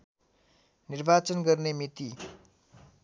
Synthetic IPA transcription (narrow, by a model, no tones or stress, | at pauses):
nirbat͡sʌnɡʌrnemit̪i